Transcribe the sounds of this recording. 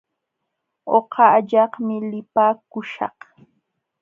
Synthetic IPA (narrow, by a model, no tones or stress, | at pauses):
oqɑʎɑχmɪlɪpaːkʊʃɑ̰q